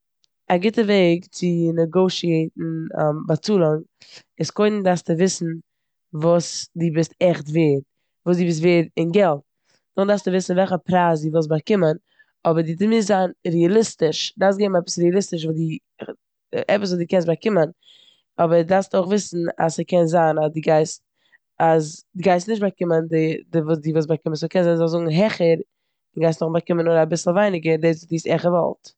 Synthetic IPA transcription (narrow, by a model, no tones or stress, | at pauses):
aɡɪtəveɪkt͡sɪnɛɡoʊʃieɪtn̩bat͡suːlˠɔŋ | ɪskoɪdn̩daɾstɪvɪsn̩ | vuːsdiːbɪstɛχtveːɾ | vuːsdiːbɪstveːɾɪnɡɛlˠt̚ | nʊχdastəvɪsn̩vɛlˠχəpɾaːsdiːvosbakɪmən | ɔbəɾdɪtɪmɪzaːnɾialˠɪstɪʃdaɾfs̬tɡeːmɛpə̥sɾɛalˠɪstɪʃ̬vudɪ | ɛpəs̬vuːdiːkɛns̬bakɪmən | ɔbəɾdaɾfstoɪχvɪsn̩a̰səkɛnzaːnasdɪɡaɪst | asdɪɡaɪstnɪʃt̚bakɪməndɪdvuːdiːvuːs̬bakɪmənskɛnzazozʊɡŋ̩ɦɛχəɾ | d̥ɪɡaɪstnʊχbakɪmənʊɾabɪsl̩ˠvaɪnɪɡədes̬vudiːsɛχəvɔ̰lˠt